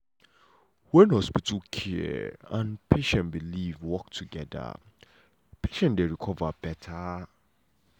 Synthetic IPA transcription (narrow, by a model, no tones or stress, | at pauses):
wɛ̃nhɔspitʰulkʰiɛ̰ãnpʰeʃɛ̃nbilivwɔk̚tʰuɡɛda̰ | pʰeʃɛ̃ndeɹikʰɔvab̥ɛtʰa